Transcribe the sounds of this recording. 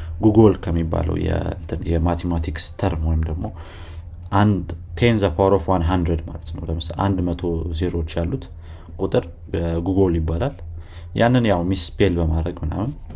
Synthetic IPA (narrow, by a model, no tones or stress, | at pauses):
ɡuɡo̞lkʰəmːibːa̰lə̰wjɛ̰nt̪ʰɨnjɛmat̪ʰemat̪ʰikst̪ʰəɾmwojɪmd̪əɡmo̞ | ʔand̪t̪ʰenzapʰaɾofwanɦand̪ɾed̪malət̪nə̰wd̪əmɨsʔa̰nd̪mət̪ʰo̞zeɾo̞t͡ʃːjalːut̪ | kʼut̪ʼɨɾ | ɡuɡoljɪbːalal | janːɨnjawmispʰelbəmad̪ɾəɡmɨna̰mɨn